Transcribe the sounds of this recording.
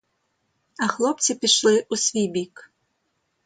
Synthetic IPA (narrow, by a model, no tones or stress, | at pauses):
ɐxlˠɔp̪t͡s̪ʲipʲiʂlˠɨʔusʲvʲibʲik